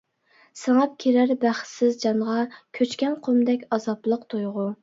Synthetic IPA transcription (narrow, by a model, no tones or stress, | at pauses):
sɪŋɑp̚kʲʰeɾæɾbæχsɪzd͡ʒɑnʁɑkʲʰøt͡ʃkʲɛnqʰomd̪ɛkʲɑzɑblˠəqt̪ʰojʁu